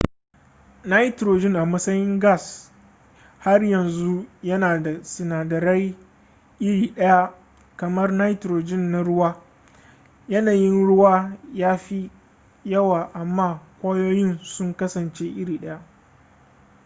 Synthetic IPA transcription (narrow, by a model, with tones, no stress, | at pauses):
na˦jtɾoː˨d͡ʒɪ˦ŋʔa˨mɐ˦sɐ˦jɪ˦ŋɡa˦˨s | ha˦rjɐ˨nzu˦jɐ˦naː˨da˨sɪ˨naː˨dɐ˨ɾa˦j | ʔɪ˦ɽiː˨ɗɐ˦ja˦ | kɐ˨mɐ˦rna˦jtɾoː˨d͡ʒɪ˦nːa˦ɽʊ˦waː˦ | jɐ˦naː˨jɪ˦nɽʊ˦waː˦jaː˦ɸi˦ | jɐ˦waː˨ʔa˨mːaː˦˨kʷaː˦joː˦jɪ˦nsʊ˦ŋkɐ˦sɐ˨nt͡ʃe˦ʔɪ˦ɽiː˨ɗɐ˦ja˦ʔ